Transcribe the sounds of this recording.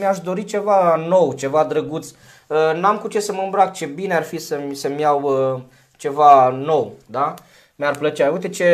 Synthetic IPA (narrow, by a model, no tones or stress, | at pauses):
mjaʃd̪o̞ɾit͡ʃe̞vano̞wt͡ʃe̞vad̪ɾəɡut̪s | ənamkut͡ʃe̞səməɨmbɾakt͡ʃe̞binearfisəmsəmjawə | t͡ʃe̞vano̞wd̪a | mearplət͡ʃaujt̪e̞t͡ʃe̞